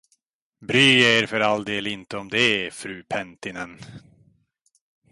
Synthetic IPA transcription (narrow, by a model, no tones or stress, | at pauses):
bɾyːeːɾfœɾald̪eːlɪnt̪əɔmd̪ɛfɾʉ̟ːpʰɛnt̪ɪnɛn